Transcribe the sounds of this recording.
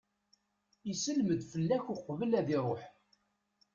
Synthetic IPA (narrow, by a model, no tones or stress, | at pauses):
isəlməd̪fəlːæçʊqvəlæðiɾˤoħ